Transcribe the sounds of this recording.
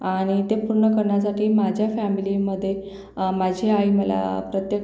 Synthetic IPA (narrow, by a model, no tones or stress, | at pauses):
aɽ̃it̪epuɾɳəkəɾɳjasaʈiːmad͡ʑʱjafæmiliməd̪ʱːje | mad͡ʑʱeaiməla̰pɾət̪jə